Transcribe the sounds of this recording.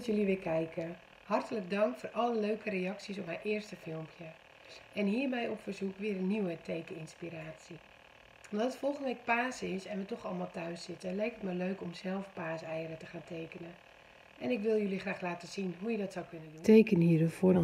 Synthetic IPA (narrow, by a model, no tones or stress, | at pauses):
tjøliʋɪkʰɛjkʰə | hɑrtələɡ̚dɑŋkfoːrʔɔlˠəløːkəɾejɑksisɔpmaʔɪərstəfɪlˠmpʰjə | ɛnɦiːrmɛjokfərzukʋɪəɾənːiwətʰejkəɪnspiɾaːsi | ɔmdɔttfolˠxəndəʋɪk̚paːsɪsɛnʋətɔxɔlˠmaːlˠtœɥsɪtəlɛjkətmɛløɥkɔmsɛlˠfpaːsɛjəɾətəχaːnteːkənə | ʔɛnɪkʋɪlˠjølixraːxlaːtəsinɦujədɔtsawkønədutejkəniːəɾəfoː